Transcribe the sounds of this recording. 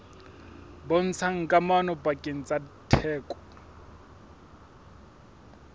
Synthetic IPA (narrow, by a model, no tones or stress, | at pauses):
bɔn̩t͡sʰaŋ̩kʼamanɔbakʼen̩t͡sʼatʰɛːkʼɔ̥